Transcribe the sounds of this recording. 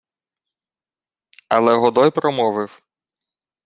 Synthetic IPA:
ɐlˠɛɦɔd̪ɔjpɾɔmɔʋɪw

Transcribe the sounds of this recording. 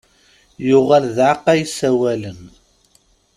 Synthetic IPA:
jʊʁælðʕaqːæjsæwælən

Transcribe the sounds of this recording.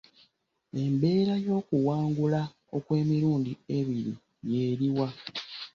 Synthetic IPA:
e̞mbe̞ːɾajo̞ːkuwaːŋɡula | o̞kwe̞ːmiɾuːndie̞βiɾḭ | je̞ːɾiwa

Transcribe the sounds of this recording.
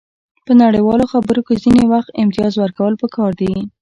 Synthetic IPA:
pənaɽejwɑloxabəɾokezinewaxt̪ɪmt̪ijɑzwəɾkawəlpəkɑɾd̪e

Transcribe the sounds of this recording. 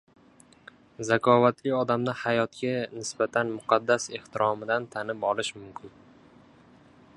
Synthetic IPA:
zakʰɒvat̪lɪɒd̪amnahajɒt̪kʲanɪsbat̪ʰanmʊqʰɑd̪ːase̞ht̪ʰɪɾʔɒmɪd̪ant̪ʰanɪpɒlɪʃmʊmkʲʰɪn

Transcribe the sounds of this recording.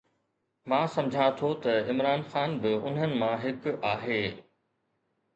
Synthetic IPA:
mãːsɐ̃md͡ʑʱãt̪ʰot̪ɐɪmɾaːnxaːnbɪʊn̤ənɪ̆mãɦɪkaːɦeː

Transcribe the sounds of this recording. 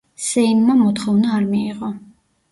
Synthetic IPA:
sɛinmamɔt̪χɔvnaːɾmiːʁɔ

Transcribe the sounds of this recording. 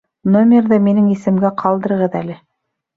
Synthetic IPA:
nomʲerðɤminɘŋisɘ̆mɡæqʰɑlˠd̪ɤ̆ɾɤʁɤðælɘ

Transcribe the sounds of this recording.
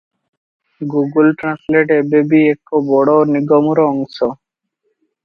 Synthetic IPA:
ɡuɡulʈɾãnsleʈebebiekːobɔɽɔniɡɔmuɾɔɔŋsɔ

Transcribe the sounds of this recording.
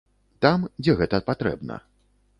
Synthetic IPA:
t̪amd͡zʲɛɣɛt̪ɐpat̪ɾɛ̰bnɐ̰

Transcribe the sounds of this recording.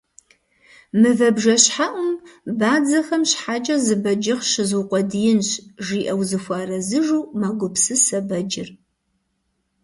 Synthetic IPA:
mɨvɐbʒɐɕħaʔʷʊmbaːd͡zɐxɐmɕħaːd͡ʒʼɐzɨbɐd͡ʒɪʁʃɪzuʊqʷɔdijɪnɕʒiːʔɐwzɨxʷɑːrɐzɨʒuːmɐɡʷʊpsɨsɐbɐd͡ʒɪr

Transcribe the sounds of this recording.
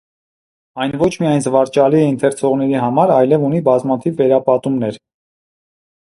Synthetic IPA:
ɑjnvɔt͡ʃʰmiɑjnzəvɑɾt͡ʃɑliɛint̪ʰɛɾt͡sʰɔʁnɛɾiɦɑmɑɾɑjlɛvunibɑzmɑt̪ʰivːɛɾɑpɑt̪umnɛɾ

